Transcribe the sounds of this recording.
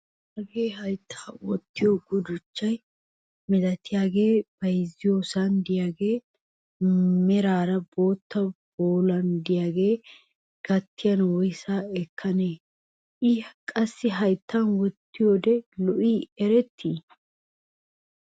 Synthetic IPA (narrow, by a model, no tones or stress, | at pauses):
ɐɡeːɦɐjt̪ʰːḁːwɔt̪ːɪjoɡʊd̪ʊt͡ʃːɐj | mɛd̪ɐt̪ːɪjaːɡe̞ːb̥ɐjzːɪjoːsɐnd̪ɪjaːɡe̞ː | mɛɾaːɾɐbo̞ːt̪ːɐb̥oːlɐnd̪ɪjaːɡe̞ː | ɡ̥ɐt̪ːɪjɐnwɔjsaːɛkʰːɐneː | ʔɪkʼɐsːɪɦɐjt̪ʰːanwɔt̪ːɪjod̪ɛlɔʔiːɛɾɛt̪ʰːiː